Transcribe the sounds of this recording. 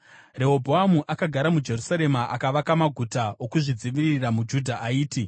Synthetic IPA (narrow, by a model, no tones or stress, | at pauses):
re̞obʱoamuʔakaɡʱaɾamud͡ʒe̞rusaɾe̞maʔakaʋakamaɡʱutaokuʐid͡ziʋiriramud͡ʒudʱaʔaiːti